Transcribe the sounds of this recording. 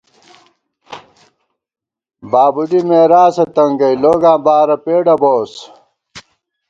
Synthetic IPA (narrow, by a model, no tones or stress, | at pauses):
baːbuɖimeːɾaːsɐt̪ɐŋɡɐjloːɡãːbaːɾɐpeːɖɐboːs